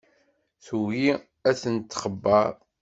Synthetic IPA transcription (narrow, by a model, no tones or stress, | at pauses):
θuwi | æθənt̪ːχəbːɑɾˤ